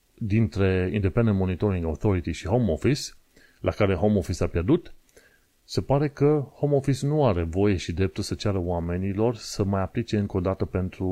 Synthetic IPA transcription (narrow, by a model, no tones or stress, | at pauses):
d̪int̪ɾe̞ḭnd̪epend̪enmo̞nit̪o̞ɾiŋɡawθo̞ɾit̪iʃihomo̞fis | lʔakaɾe̞ɦomofisapjerd̪ut̪ | se̞paɾe̞kəhomofisnuaɾe̞vo̞je̞ʃid̪ɾe̞p̚t̪ulsət͡ʃaɾəoame̞nilo̞rsəmajaplit͡ʃe̞ɨŋko̞d̪at̪əpe̞nt̪ɾu